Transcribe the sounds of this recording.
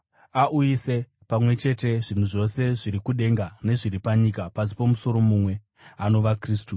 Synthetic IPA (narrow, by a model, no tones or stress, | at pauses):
aʔujise̞ | pamwe̞t͡ʃe̞te̞ʐin̤uʐo̞se̞ʐiɾikuɗe̞ŋɡane̞ʐiripaɲikapas̬i̥pomuso̞ɾo̞mumwe̞ | ano̞ʋakriːstu